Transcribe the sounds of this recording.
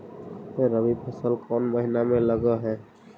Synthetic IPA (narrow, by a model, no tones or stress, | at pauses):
jeɾəbipʰəsəlkɔːnməɦinamẽləɡəɦɛ